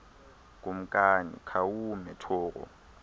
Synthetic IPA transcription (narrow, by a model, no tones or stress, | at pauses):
k̬ʼum̩kʼanḭkʰawumɛtʰɔːɣɔ̰